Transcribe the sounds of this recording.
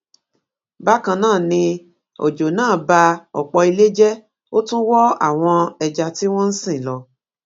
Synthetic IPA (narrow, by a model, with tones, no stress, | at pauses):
ba˦kã˧nãː˦˨nĩ˧ | o̰˨d͡ʒo˨nãː˦˨ba˧ɔ̰˨k͡pɔ˧i˧le˦d͡ʒɛ˦ | o˦tũ˦wɔ˦a̰˦˨w̃ɔ̃˧ɛ˧d͡ʒa˧ti˦w̃ɔ̃˦n̩˦sĩ˦˨lɔ˧